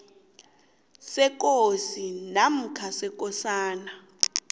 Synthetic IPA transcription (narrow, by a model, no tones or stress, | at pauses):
sɛk̬ʼosinam̩kʰasɛk̬ʼɔsaːna